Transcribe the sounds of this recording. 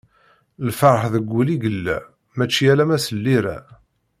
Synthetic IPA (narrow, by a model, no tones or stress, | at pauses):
lfɑɾˤəħðəɡʷːuliɡəlːæ̰ | mæt͡ʃːijælæmæsəlːiɾæ̰